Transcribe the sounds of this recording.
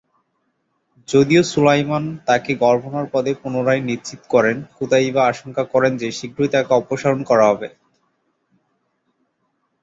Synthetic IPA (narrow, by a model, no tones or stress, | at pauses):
d͡ʑod̪iosulajmant̪akeɡɔɾbʱonaɾpɔd̪ʱepunoɾajnit͡ɕit̪o̥kɔɾenkut̪aibaaʃoŋkakɔɾend͡ʑeʃiɡʱɾujt̪akeɔpoʃaɾonkɔɾaɦɔbe